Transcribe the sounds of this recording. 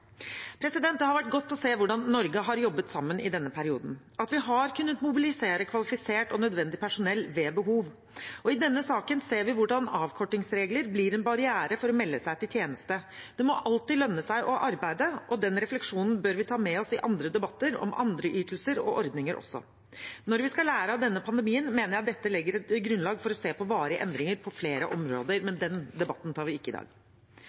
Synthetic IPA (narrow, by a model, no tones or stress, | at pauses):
pʰɾɛsɪd̪ɛnt̪əhɑɾʋæʈ̚ːɡɔt̪ːɔseːʋʊɖɑnːɔɾɡəɦɑɾjɔbːət̪sɑmːənʔɪ̰d̪ɛnːəpʰæɾɪuːd̪n̩ | ɑt̪ʋɪɦɑɾkʉnːət̪mʊbɪlɪseːɾəkʰʋɑlɪfɪseːʈɔnœd̪ʋɛnd̪ɪpʰæʂʊnɛlːʋeːbəɦuːʋ | ɔɪd̪ɛnːəsɑːkənseːɾʋɪʋʊɖɑnɑːʋkʰɔʈːɪŋsɾeːɡləɾbliːɾɛnbɑɾɪæːɾəfɔɾɔmɛlːəsæɪt̪ɪlt̪ʰjeːnəst̪əd̪̥ɛmɔʔɑlt̪ɪlœnːəsæɪʔɔʔɑɾbæɪd̪əʔɔd̪ɛnɾɛflɛkʂuːnn̩bøːɾʋɪt̪ʰɑːmɛɔsɪʔɑnd̪ɾəd̪ɛbɑt̪ːəɾɔ̰mʔɑ̰nd̪ɾəʔyːt̪ʰəlsəɾɔ̰ʔɔɾd̪nɪŋəɾʔɔ̰sːɔ̰ | nɔɾʋɪskɑlæːɾəɑd̪ɛnːəpʰɑnd̪əmiːənmeːnəɾjæɑt̪̚d̪ɛt̪ːəlɪɡːəɾɛt̪ɡɾʉnlɑːɡfɔɾɔseːpʰɔʋɑːɾɪə̰ʔɛnd̪ɾɪŋəɾpʰɔfleːɾə̰ʔɔmɾo̰ːd̪əɾmɛnd̪ɛnd̪ɛbɑt̪ːn̩t̪ʰɑːɾʋɪɪkːəɪd̪ɑ̰ːɡ